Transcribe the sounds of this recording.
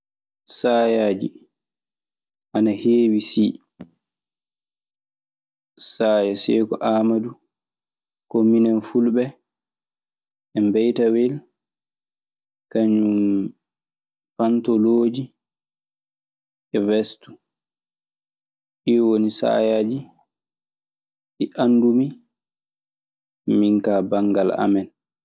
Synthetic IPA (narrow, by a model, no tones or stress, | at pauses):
saːjaːd͡ʒi | ʔanaheːwisiː | saːjɛsɛkɔʔamadu | komːinɛnfulbɛ | ʔɛmbɛjtawɛl | kaɲum | fantɔloːd͡ʒi | ɛvɛstu | ʔiwonisa̰ːjad͡ʒi | ʔiʔanːdumi | miŋkaːbaŋɡala̰mɛn